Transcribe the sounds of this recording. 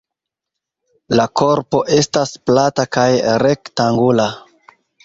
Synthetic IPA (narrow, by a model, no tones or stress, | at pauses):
lako̞ɾpo̞ʔe̞stasplatakajɾektaŋɡula